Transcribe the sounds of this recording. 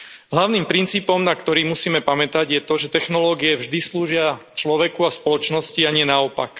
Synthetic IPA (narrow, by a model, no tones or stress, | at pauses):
ɦlaʊniːmpɾint͡siːpɔmnakt̪ɔɾiːmusiːmɛpamɛt̪aɟjɛt̪ɔʒɛt̪ɛxnɔlɔːɡiɛvʒd̪isluːʒɪat͡ʃlɔʋɛkuaspɔlɔt͡ʃnɔsciaɲɪɛnaɔpa̰k